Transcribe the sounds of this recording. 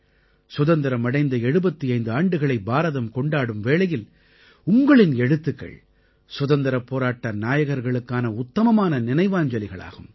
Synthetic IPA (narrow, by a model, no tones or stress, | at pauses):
sʊðɐnd̪ɐɾɐmɐɽɐɪnd̪ɐɛɻɯbɐt̪ːiɐɪnd̪ɯaːɳɖɯɣɐɭɐɪbaːɾɐðɐmkɔɳɖaːɽɯmʋeːɭɐjɪl | ʊŋɡɐɭɪnɛɽɯt̪ːɯkːɐ̰ɭ | sʊðɐnd̪ɐɾɐpːoːɾaːʈːɐnaːjɐɣɐɾɣɐɭɯkːaːnɐʊt̪ːɐmɐmaːnɐnɪnɐɪʋaːɲd͡ʒɐlɪɣɐɭa̰ːɣɯm